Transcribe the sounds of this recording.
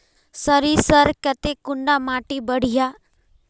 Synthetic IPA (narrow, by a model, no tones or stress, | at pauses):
səɾisəɾkɐt̪ekʊɳɖamaːʈibəɽ̤ijaː